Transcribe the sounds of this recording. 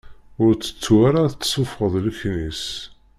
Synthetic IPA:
ʊɾt͡sːə̥t͡sːwaɾaθt͡sːsˤʊfʁəðˤləçnis

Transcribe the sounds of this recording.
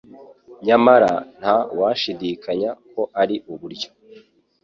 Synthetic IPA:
ɲamaɾan̥hawaʃidikaɲakʰo̞ʔaɾiʔuβuɾɟo̥

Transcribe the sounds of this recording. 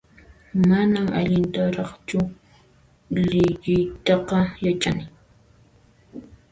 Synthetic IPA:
manama̰ʎɪnt̪aɾɑχt͡ʃʊ | lɪʎɪjt̪ɑqɑjat͡ʃanɪ

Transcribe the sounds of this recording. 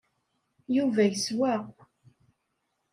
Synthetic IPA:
juvæjəswæ

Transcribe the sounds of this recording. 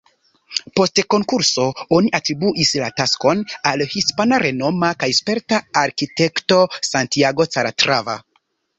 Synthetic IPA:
po̞stko̞ŋkuɾso̞o̞niʔatɾibuʔislatasko̞nalhispanaɾe̞no̞makajspe̞ɾtaːɾkite̞kto̞santiaɡo̞t͡saɾatɾava̰

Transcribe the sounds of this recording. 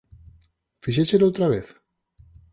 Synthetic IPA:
fiʃeselowt̪ɾaβ̞eθ

